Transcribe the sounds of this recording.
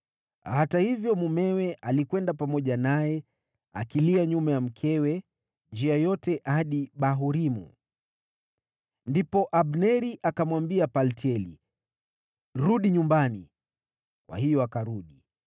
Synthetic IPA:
hatahivjɔmumɛwɛʔalikwɛndapamɔʄanajɛ | akiliaɲumajam̩kʰɛwɛ | nd͡ʒiajɔtɛʔaɗiɓaɦuɾimṵ | ndipɔʔaɓnɛɾiʔakamwambiapaltiɛlḭ | ɾuɗiɲumbani | kwa̰hijɔakaɾuɗi

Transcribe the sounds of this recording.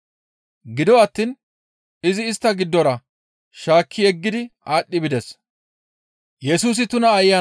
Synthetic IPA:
ɡɪd̪ɔɐt̪ːiːn | ɪzɪːst̪ːɐɡɪd̪ːɔɾɐ | ʃaːkʰːɪjɛɡːɪd̪ɪaːɗːɪbɪd̪ɛs | jɛsuːs̬ɪt̪ʊnɐːjːaː

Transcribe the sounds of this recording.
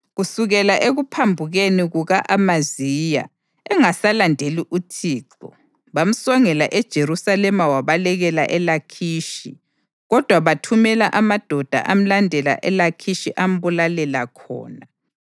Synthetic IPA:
ɣusuɣɛlaʔeɣupʰambʱuɣeniɣuɣaʔamazija̰ | ɛŋasalandʱeliʔutʰiːǀɔ̰ | βam̩sɔŋɛlaʔɛd̥ʒ̥ʱeɾusalɛmawaβalɛɣɛlaʔɛlakʰiːʃi | ɣɔd̥ʱwaβatʰumɛlaʔamad̥ʱɔd̥ʱa̰ʔam̩landʱɛla̰ʔɛlakʰiʃiʔam̩βulalɛlakʰɔ̰ːna

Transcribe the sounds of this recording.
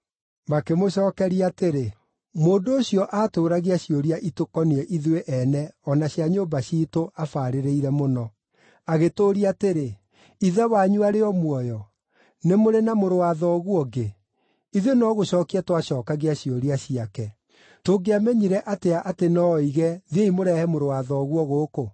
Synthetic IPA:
makemoɕɔːkɛɾiateɾe | moːndoːɕiɔʔaːtoːɾaɣiaɕioɾiaʔitokɔneɛʔiðweʔɛnɛɔnaɕjaɲoːmbaɕiːtoʔafaːɾeɾeiɾɛmonɔ | aɣetoːɾiateɾe | iðɛwaɲuaɾeɔmwɔjɔ | nemoɾenamoɾowaðɔɣuɔɡe | iðenɔɣoɕɔːkiɛtwaɕɔːkaɣeaɕioɾiaɕiakɛ | toɡeamɛɲiɾɛʔateaʔatenɔiɣɛðeimoɾɛhɛmoɾowaðɔːɣwɔɣoːko

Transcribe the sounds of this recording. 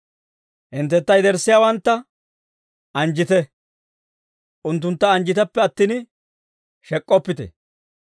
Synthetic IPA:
hɪnt̪ːɛt̪ːɐjd̪ɛɾsːɪjawɐnt̪ːɐ | ʔɐnd͡ʒɪt̪ɛ | ʔʊnt̪̬ːʊnt̪ːɐːnd͡ʒɪt̪ɛpːɛɐt̪ːiːn | ʃɛkʼːɔpːɪt̪ɛ̰

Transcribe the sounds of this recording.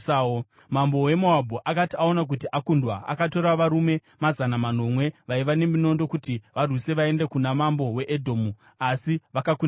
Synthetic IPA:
mambo̞we̞moabʱoʔakatiao̞nak̬utiʔakundwaʔa̰kato̞ɾaʋaɾume̞ | mazanaman̤o̞mwe̞ʋaiʋane̞mino̞ndo̞kutiʋarwise̞ʋae̞nde̞kunamambo̞we̞ʔedʱo̞ːmu | asiʋakakun

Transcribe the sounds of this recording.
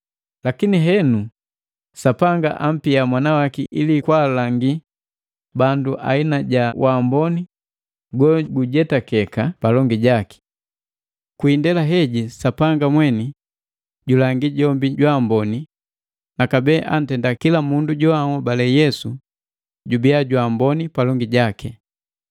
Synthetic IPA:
lakiniɦɛnu | sapaŋɡa̰ʔam̩piamwanawakiʔilikwaːlaŋɡi | banduʔa̰inaɟawʔambɔni | ɡɔɡuɟɛtakɛkapalɔŋɡiɟaki̥ | kwindɛlaɦɛɟisapaŋɡamwɛni | ɟulaŋɡiɟɔmbiɟwambɔni | nakabɛːʔan̩tɛndakilamunduɟɔaŋɔbalɛjɛsu | ɟubiaɟwaːmbɔnipalɔŋɡiɟaki

